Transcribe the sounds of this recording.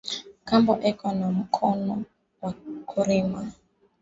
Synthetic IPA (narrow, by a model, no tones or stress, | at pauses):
kambɔʔɛkɔnam̩kʰɔnɔ | wakʰuɾima